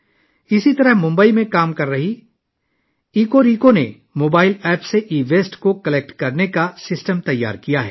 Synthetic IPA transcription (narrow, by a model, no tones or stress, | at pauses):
ɪsit̪ɐɾəɦmʊ̃mbəimẽkaːmkɐɾːɐɦi | iːkoɾiːkone | moːbaːɪlɛːpseʔiːʋeːsʈkokɐlɛːk̚ʈkɐɾnekasɪsʈəmt̪ɐjːa̰ːɾkijaɦɛ̰ː